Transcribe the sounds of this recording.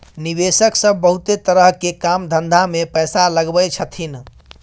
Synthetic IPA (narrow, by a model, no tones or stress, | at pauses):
niβesəksəbʱːəɦut̪et̪əɾəɦkekamd̪ʱənd̪ʱamepəjsaləɡbət͡ʃʰət̪ʰin